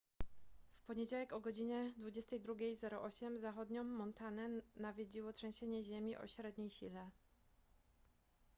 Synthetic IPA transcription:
fpɔɲed͡ʑawɛkɔɡɔd͡ʑiɲɛd̪vud͡ʑɛst̪ɛjd̪ɾuɡʲejzɛɾɔʔɔɕɛmzaxɔd̪ɲɔmːɔnt̪anɛnavʲjed͡ʑiwɔtʂɛ̃w̃ɕeɲɛʑemʲiʔɔ̰ɕɾɛd̪ɲejɕilɛ

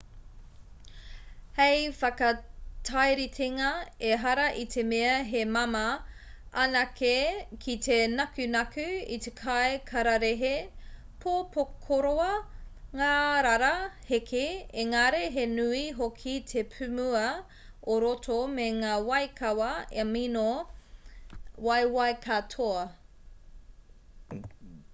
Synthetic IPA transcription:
hejfɐkɐtʰajɾitʰeŋɐeɦɐɾɐʔitʰemeɐɦemɐmɐ | ʔɐnɐkekʰitʰenɐkʉnɐkʉḭt̪ʰekʰaekʰɐɾɐɾeɦe | pʰopokʰoɾoɐŋaːɾaɾɐhekʰeeŋaɾeɦenʉiɦokʰitʰepʰʉmuɐ | oɾotʰomeŋaːwɐjkʰɐwɐemino | wɐjwɐjkʰatʰoɐ

